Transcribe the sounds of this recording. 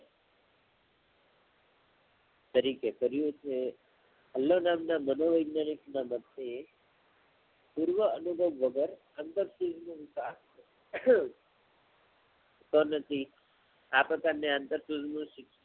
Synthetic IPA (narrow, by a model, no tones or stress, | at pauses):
t̪əɾikekəɾjũt͡ʃʰe | əlːonamnamənoʋəjɡnaniknaməd̪ʱe | puɾʋəənubʱəʋːəɡəɾ | ant̪əɾsud͡ʒnũʋɪkast͡ʃe | t̪onət̪ʰi | apɾəkaɾneãnt̪əɾsud͡ʒnũʃɪkʃ